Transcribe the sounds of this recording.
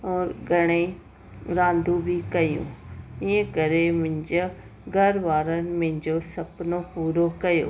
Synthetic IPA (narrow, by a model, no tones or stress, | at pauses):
ɔːɾɡʱɐɽ̃e | ɾãːnd̪ʱubʱikɐjṵ̃ːiːə̃kɐɾemʊ̃ɪ̃ɲd͡ʑ | ɡʱɐɾʋaːɾənɪ̆mẽɦɪ̃ɲd͡ʑosɐpnohuːɾokɐjo̰ː